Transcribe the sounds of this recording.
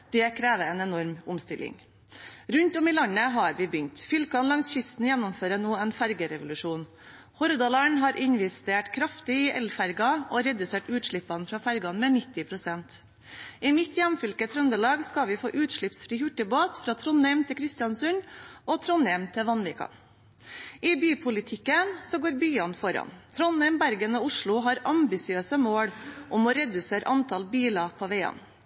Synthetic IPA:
d̪̥ɛːkʰɾeːʋəɛːnɛnɔɾmʊmst̪ɪlɪ̰ŋ | ɾʉnt̪ɔmɪlɑɲəɦɑːɾʋɪːbʏnt̪fʏlkʰɑnlɑŋsçʏst̪n̩jænːʊmføːɾənoːɛːnfæɾɡəɾɛʋʊlʉʂuːn | hɔɾd̪ɑlɑɳɦɑːɾʔɪɲʋɪst̪eːʈkʰɾɑft̪ɪɪʔɛlfæɾɡɑoːɾɛd̪ʉseːʈʉːt̪ʂɭɪpːɑnfɾɑːfæɾɡɑnmɛːnɪt̪ːɪpʰɾʊsɛnt̪ | ɪmɪt̪jæmfʏlkət̪ʰɾʉnd̪əlɑːɡskɑʋɪfo̰ːʔʉːt̪ʂɭɪpsfɾiːhʉʈːəboːt̪fɾɑːt̪ʰɾɔnɛmt̪ʰɪkʰɾɪst̪jɑnsʉnɔt̪ʰɾɔnɛmt̪ʰɪʋɑnʋɪːkɑ̰n | ɪbyːpʰʊlɪt̪ʰɪkːənsɔɡoːɾbyːɑnfɔɾɑ̰nt̪ʰɾɔnɛɪmbæɾɡənoːʊʂɭʊɦɑɾɑmbɪsɪøːsəmoːɽʔʊmɔːɾɛd̪ʉseːɾ̰ʔɑnt̪ʰɑlbiːlɑpʰoːʋeɪɑ̰n

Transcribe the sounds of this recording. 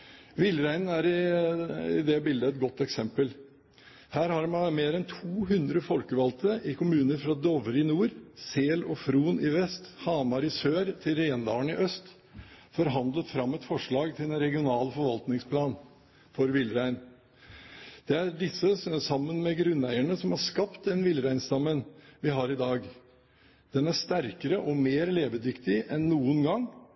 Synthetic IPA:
ʋɪlːɾæɪnn̩æɾɪ | ɪ̰d̪ɛbɪld̪əɛt̪̚ɡɔt̪ːɛksɛmpəl | hæːɾhɑɾmɑmeːɾɛnt̪ʰuːɦʉnd̪ɾəfɔlkəʋɑlt̪ʰəʔɪkʰʊmʉːnəɾfɾɑd̪ɔʋəɾɪnuːɾseːlɔfɾuːnɪʋɛst̪hɑːmɑɾɪsøːɾt̪ʰɪlɾeːnd̪ɑːəɳɪʔœst̪ | fɔɾɦɑnd̪lət̪fɾɑmːɛt̪fɔʂɭɑːɡt̪ʰɪlɛnɾɛɡɪʊnɑːlfɔɾʋɑlt̪nɪŋspʰlɑːn | fɔɾʋɪlːɾæɪn | d̪̥ɛæɖɪsːəsɑmːənmɛɡɾʉnːæɪæɳəsɔmhɑɾʂkɑpt̪̚ɛnʋɪlɾæɪnst̪ɑmːənʋɪɦɑːɾɪd̪ɑːɡ | d̪̥ɛnæʂt̪æɾkəɾəʔɔmeːɾleːʋəd̪ʏkt̪ɪʔɛnːuːənɡɑŋː

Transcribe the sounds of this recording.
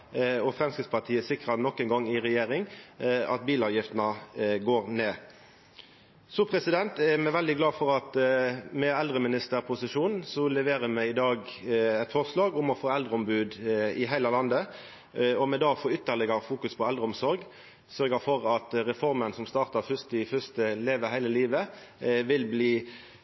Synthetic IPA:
ɔfʁɛmskɪt̪spɑʁt̪ʰiːəsɪkʁɑnɔkːɛnɡɑŋːɪʁɛjeːɾɪŋɑ̰t̪̚biːlɑːʋjɪft̪nɑɡoːʁneː | sɔpʰʁɛsɪd̪ɛnt̪ɛmɛʋɛld̪ɪɡlɑːfɔɾɑt̪mɛɛld̪ʁəmɪnɪst̪əʁpʰʊsɪʂuːnn̩sɔlɛʋeːʁəmɛɪd̪ɑːɡɛt̪fɔʁslɑːɡʊmɔfoːɛld̪ʁəʊmbʉːd̪ɪɦæɪləlɑnd̪ə | ɔmɛd̪ɑːfoːʏt̪ːəʁlɪɡɑfuːkʉspʰɔɛld̪ʁəʊmsɔɾɡ | sœʁɡəfɔʁɑt̪ʁɛfɔʁmənsɔmst̪ɑːʁt̪ɑʁfʏst̪ɪfʏʁst̪əleːʋəhæɪləliːʋə | ʋɪlbliː

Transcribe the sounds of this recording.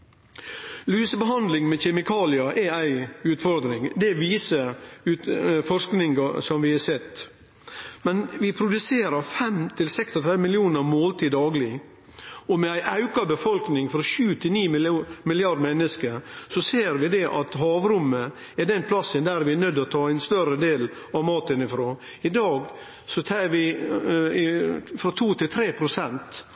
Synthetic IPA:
lyːsəbəɦɑnd̪lɪŋmɛçɛmɪkʰɑːlɪɑʔɛæɪʉːt̪fɔɾd̪ɾɪŋd̪ɛʋiːsəʉfɔʂknɪŋɡɑsɔmʋɪɑsɛt̪ː | mɛnʋɪpʰɾʊd̪ʉseːɾəɾfɛmt̪ʰɪlsɛksɔt̪ʰɾɛd̪əmɪlɪuːnəɾmoːlt̪ʰiːd̪ːɑːɡlɪ | ɔmɛæɪʔɑʉkɑbəfɔlknɪŋfɔɾɔʃʉːt̪ʰɪlniːmɪlɪɑd̪mɛnːəskəɾsɔseːɾʋɪd̪ɛʔɑt̪ɦɑːʋɾʊmːə | ɛd̪ɛnpʰlɑsənd̪æɾʋɪɛnœd̪ːɔt̪ʰɑːæɪnst̪œɾəd̪eːl | ɑʋmɑːt̪ənɪfɾoː | ɪd̪ɑːɡ | sɔt̪ʰɛʋɪ | fɾɑt̪ʰuːt̪ʰɪlt̪ʰɾeːpʰɾʊsɛnt̪

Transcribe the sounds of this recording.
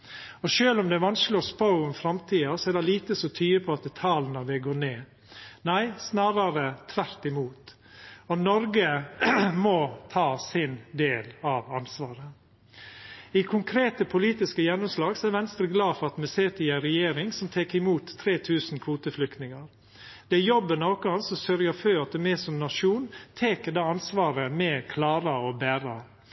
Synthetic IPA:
ɔʃøːlɔmd̪ɛʋɑnsloːspaʊɔmfɾɑmt̪ʰiːɑsɔædɛliːt̪əsɔt̪ʰyːəpʰɔɑt̪ət̪ʰɑːlnɑʋɛɡoːneː | næɪsnɑːɾɑɾət̪ʰʋæɾt̪ɪmuːt̪ | ɔnɔɾɡə | mɔt̪ʰɑːsɪnd̪eːlɑʋɑnsʋɑːɾə | ɪkʰʊŋkʰɾeːt̪əpʰʊliːt̪ɪskəjɛnːʊmslɑːɡsɔæɾʋɛnst̪ɾəɡlɑːfɔɾɑt̪mɛseːt̪ɪæɾɛjeːɾɪŋsɔmt̪ʰeːkɪmuːt̪ʰːɾeːt̪ʰʉːsn̩kʰʋuːt̪əflʏkt̪nɪŋəɾ | d̪̥ɛæjɔbːənɔʊkəɑnsɔsœɾjəføːɾɑt̪̚d̪ɛmɛːsɔmnɑʂuːnt̪ʰeːkəd̪ɑːɑnsʋɑːɾəmɛkʰlɑːɾɑɔbæːɾɑ

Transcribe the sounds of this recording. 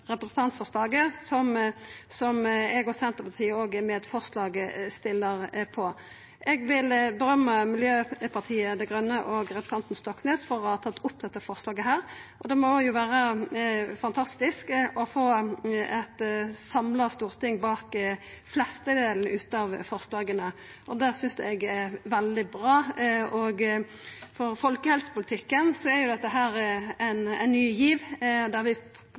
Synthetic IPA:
ʁɛpɾəsn̩t̪ɑnt̪fɔʁslɑːɡəsɔmsɔmɛɡɔsɛnt̪əpʰɑt̪ʰiːəoːɡəmeːd̪fɔʁslɑːɡəst̪ɪlːəʁpʰɔ | ʔɛɡʋɪlbəɾœmːəmɪljøːpʰɑʁt̪ʰiːəd̪ɛɡʁœnːəʔɔɡʁɛpɾəsɑnt̪n̩st̪ɔkːneːsfɔɾɔhɑːt̪ʰɑt̪ːʊp̚ːd̪ɛt̪ːəfɔʁslɑːɡəɦæːɾʔɔd̪ɛmɔjʊʋæːɾə | fɑnt̪ʰɑst̪ɪskɔfoːɛt̪sɑmlɑst̪uːʁt̪ɪŋːbɑːk | flɛst̪əd̪eːln̩ʉːt̪ɑʋfɔʁslɑːɡənə | ʔɔd̪æːʁsʏnsd̪ɛɛɡɛʋɛld̪ɪbʁɑːɔɡ | fɔɾfɔlkəhɛlsə̥pʊlɪt̪ʰɪkːənsɔɛɾjʊd̪ɛt̪ːəɦæːɾænɛ̰nnːyːjiːʋd̪æɾʋɪ

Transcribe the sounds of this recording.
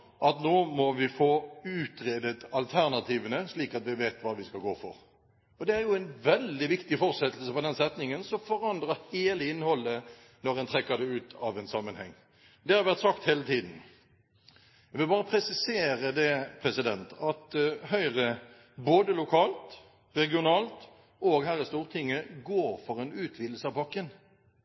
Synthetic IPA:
ʔɑt̪noːmɔʋɪfoːʉːt̪ɾeːd̪ət̪ɑlt̪ʰæʁnɑt̪ʰiːʋənəsliːkɑt̪ʋɪʋeːt̪ʋɑːʋɪskɑlɡoːfɔ̰ɾ | ɔd̪ɛæɾjʊæɪnʋɛld̪ɪʋɪkt̪ɪfɔɾsɛt̪ːl̩səpɔd̪ɛnsɛt̪nɪŋənsɔfɔɾɑnd̪ʁəheːləɪnhɔlːə | nɔɾɛnt̪ʰɾɛkːəd̪ɛʉːt̪ʰɑʋɛnsɑmːənhɛ̰ŋː | d̪ɛhɑɾʋæʁt̪sɑk̚t̪heːlət̪ʰiːd̪n̩ | æʋɪlbɑːʁəpʰɾɛsɪseːɾəd̪ɛpʰɾɛsɪd̪ɛnt̪ɑt̪hœʏʁə | boːd̪əlʊkʰɑːlt̪ | ɾɛɡɪʊnɑːlt̪ | oɡhæːɾɪst̪uːʁt̪ʰɪŋːəɡoːɾfɔɾɛnʉːt̪ʰʋiːd̪əl̩səɑʋpɑkːən

